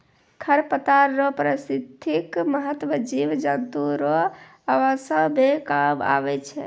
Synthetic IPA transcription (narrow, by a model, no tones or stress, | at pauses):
kʰəɾpət̪aɾːɔpɾəsid̪ʱʰikməɦət̪wəd͡ʒiʋd͡ʒənt̪uɾɔ | aʋasəbekaba̰bɛt͡ʃʰɛ